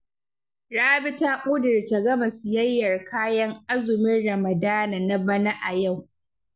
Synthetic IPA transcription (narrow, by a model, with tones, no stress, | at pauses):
ɽaː˦bɪ˦taː˦kʷʼʊ˦dɪ˨rta˨ɡɐ˦ma˨sɪ˨jɐ˦jːɐ˨rkaː˦jɐ˦ŋʔa˦zʊ˨mɪ˦nɽɐ˨mɐ˨daː˦na˨na˦bɐ˦na˦ʔa˨ja˦˨w